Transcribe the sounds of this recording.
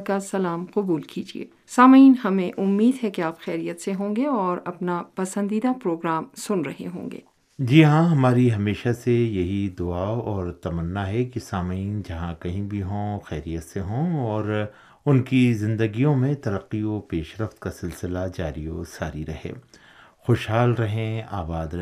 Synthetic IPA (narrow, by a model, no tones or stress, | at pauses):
kasɐlaːmqʊbuːlkiːd͡ʒiḛː | saːmiːnɦɐmẽʔʊmːiːd̪ɦɛkiaːpxɛːɾijət̪seɦõːŋɡeɔːɾɐpnapɐsə̃nd̪iːd̪apɾoːɡɾaːmsʊnɾɐɦḛɦõ̰ːŋɡḛː | d͡ʒiɦãɦɐmaːɾiɦɐmeːʃasejɐɦid̪ʊaːɔːɾt̪ɐmənːaɦɛkisaːmiːnd͡ʒɐɦãkɐɦĩbʱiɦõxɛːɾijət̪seɦõːɔːɾ | ʊnkizɪ̃nd̪əɡijõmẽt̪ɐɾəqːiopeːʃɾɐft̪kasɪlsɪlad͡ʒaːɾio̰saːɾiɾɐɦḛ̃ː | xoːʃɦaːlɾɐɦẽaːbaːd̪ɾɐ